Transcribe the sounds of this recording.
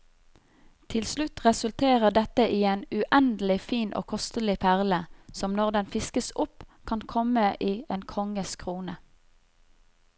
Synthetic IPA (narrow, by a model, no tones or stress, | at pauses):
t̪ʰɪlslʉt̪ʁɛsʉlt̪ʰeːʁəʁd̪ɛt̪əʔiːeːnʉʔɛnd̪l̩ɪfiːnʔo̰ːkʰɔst̪əlɪpʰæʁləsɔmnɔʁd̪ɛnfɪskəsʊpkʰɑnkʰɔməʔiːʔeːnkʰɔŋəskʰʁuːnə